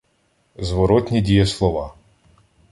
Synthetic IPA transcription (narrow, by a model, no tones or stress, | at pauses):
zʋɔɾɔt̪ʲnʲidʲijɐslˠɔʋɑ